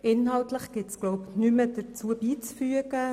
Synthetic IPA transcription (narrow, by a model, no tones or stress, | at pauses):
ʔɪnɦɑltləχɡ̥ɪtsɡ̥lowpnyməd̥ət͡suəbiːt͡sfyəɡə